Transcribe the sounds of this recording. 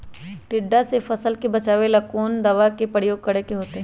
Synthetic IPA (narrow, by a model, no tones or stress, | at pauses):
ʈɪɖːasefɐsəlkebɐt͡ʃaːʋelɐkoːnd̪ɐʋakepɾəɽjoːɡ̚kɐɽekeɦoːt̪eɦɛ̃